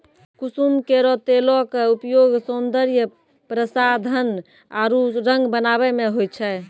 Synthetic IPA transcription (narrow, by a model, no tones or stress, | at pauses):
kusumkeɾɔt̪elɔkeupjoɡsond̪əɾjə | pɾəsad̪ʱən | aɾuɾə̃ŋɡbənaβɛmeɦojt͡ʃʰɛ